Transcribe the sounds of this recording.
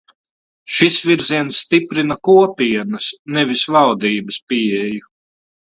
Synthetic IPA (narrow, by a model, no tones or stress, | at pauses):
ʃisviɾziɛnsːt̪ipɾinakuɔpʲiɛnɐsnɛvisvald̪iːbɐspiɛju